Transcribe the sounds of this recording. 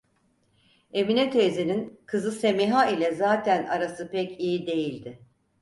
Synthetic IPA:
e̞minɛt̪ʰeːzininkʰɯzɯse̞miɦailʲɛzaːt̪ʰænaɾasɯpɛcijid̪e̞jilʲd̪ɪ

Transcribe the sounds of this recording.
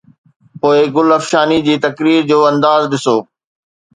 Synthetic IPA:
poːɪɡʊlɐfʃaːnid͡ʑiːt̪ɐkɾiːɾd͡ʑoːɐ̃nd̪aːzɗɪsoː

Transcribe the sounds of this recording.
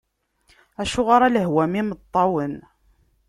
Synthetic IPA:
æʃuʁaɾˤɑləɦwæmimət̪ˤːɑwən

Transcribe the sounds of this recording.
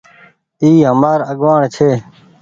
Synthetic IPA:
iːɦəmaːɾəɡʋaːɳt͡ʃʰeː

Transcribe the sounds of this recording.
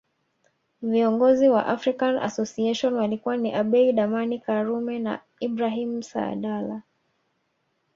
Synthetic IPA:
viɔŋɡɔziwa̰ʔafɾikana̰sɔsiɛʃɔnwalikuwaniʔaɓɛiɗamanikaɾumɛna̰ | ibɾaɦimsa̰ːɗala

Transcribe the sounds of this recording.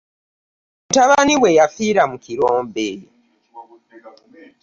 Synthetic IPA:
utaβaniwejafiːɾamukiɾoːmbe

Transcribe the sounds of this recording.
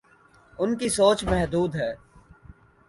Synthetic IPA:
ʊnkisoːt͡ʃmɛɦd̪uːd̪ɦɛː

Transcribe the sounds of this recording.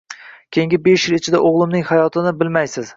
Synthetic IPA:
kʲʰeŋɡʲɪbeʃjɪlˠɪt͡ʃʰɪd̪aʔoʁlˠɪmnɪŋhajɒt̪ʰɪnɪbɪlmajsɪz̥

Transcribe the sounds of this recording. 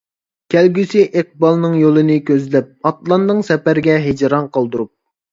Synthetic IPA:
kʲʰælɡʲysiʔeq̚bɑlˠnɨŋjolˠɨnɨkʲʰøzlɛp̚ɑt̪lˠɑnd̪ɨŋsɛpæɾɪɡʲɛɦed͡ʒɾɑnqʰɑlˠd̪uɾup̚

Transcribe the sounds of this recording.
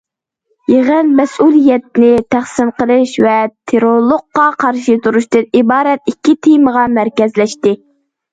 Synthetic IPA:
jeʁənmɛsulˠijɛt̪̚nɪt̪ʰæχsɪmqəlˠɨʃvɛt̪ʰeɾolˠʊq̚ːɑqʰɑɾʃit̪uɾuʃt̪ɨnibɑːɾɛt̪̚ikʲʰːit̪ʰejməʁɑmæɾkʲɛzlɛʃt̪ɪ

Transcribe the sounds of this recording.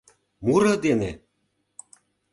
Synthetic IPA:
muɾɤ̆d̪ene

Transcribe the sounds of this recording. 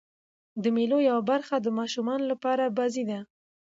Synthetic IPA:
d̪əmelojawabaɾxad̪əmɑʃumɑnolapɑɾabazid̪a

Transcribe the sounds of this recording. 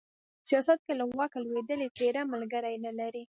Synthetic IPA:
sijɑsat̪̚kelawɑkalwed̪əlet̪eɾamalɡəɾajnəlaɾi

